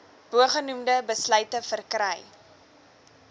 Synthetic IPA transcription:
b̥uəχənumdəbəslœɥtəfərkrəj

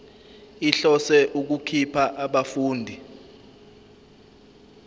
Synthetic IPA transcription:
iɬɔsɛʔuk̬ukʰipʰaʔaɓafuːndʱi

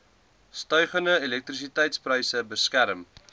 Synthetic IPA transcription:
stœɥχəndəelɛk̚t̪ris̬itɛjtsprəjsəbəskæɾəm

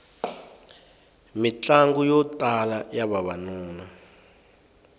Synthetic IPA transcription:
mit͡ɬaŋɡujɔtʼalajaβaβanuːna

